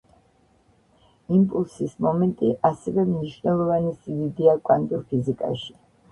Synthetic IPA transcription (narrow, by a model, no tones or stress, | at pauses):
impʼulˠsismɔmɛnt̪ʼiʔasɛvɛmniʃvnɛlˠɔvanisid̪id̪iakʼwand̪ʼuɾpʰizikʼa̰ʃi̥